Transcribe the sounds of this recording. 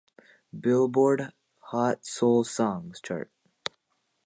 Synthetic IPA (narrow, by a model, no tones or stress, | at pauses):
bɪlˠbɔːɹɖ | hɑtsolˠsɔ̃ŋz̥t͡ʃʰɑ̰ɹʈ̚